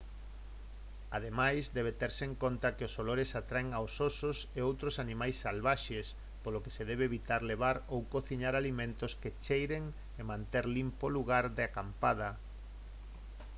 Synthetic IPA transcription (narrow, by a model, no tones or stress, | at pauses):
að̞emajzd̪ɛβet̪ɛɾseŋkont̪akeosoloɾesat̪ɾaeŋaososʊseowt̪ɾosanĩmajsːalβaʃes | poloke̥seðɛβ̞eːβit̪aɾleβ̞aɾowkoθiɲaɾalimẽnt̪ʊsket͡ʃejɾeŋ | emãnt̪eɾlimpoluɣaɾðɪakampað̞ɐ